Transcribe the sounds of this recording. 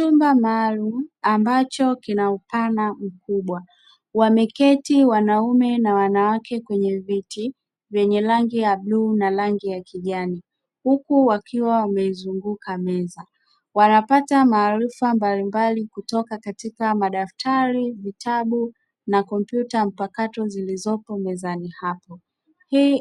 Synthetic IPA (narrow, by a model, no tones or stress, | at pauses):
t͡ʃumbamaːlum̩ambat͡ʃɔkinaupanam̩k̚uɓwa | wamɛkɛtiwanaumɛnawanawakɛkwɛɲɛviti | vjɛɲɛlaŋɡijaɓluːnalaŋɡijakiʄani | hukuwakʰiwawamɛizuŋɡukʰamɛza | wanapatamaːɾifambalimbalikutɔkakatikamaɗaftʰaɾivitʰaɓu | nakɔmpjutam̩pakatɔzilizɔpɔmɛzanihapɔ | hi